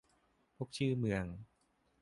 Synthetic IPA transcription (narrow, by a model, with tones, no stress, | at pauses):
pʰo˦˥k̚t͡ɕʰɯː˥˩mɯ˧əŋ